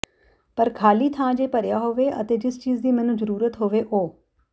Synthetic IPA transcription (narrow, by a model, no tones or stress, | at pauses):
pəɾkʰaːliːt̪ʰãːd͡ʒeːpəɾjaːɦoːʋeːʔə̰t̪eːd͡ʒɪst͡ʃiːzd̪iːmɛːnũːzəɾuːɾət̪ɦoːʋeːʔoː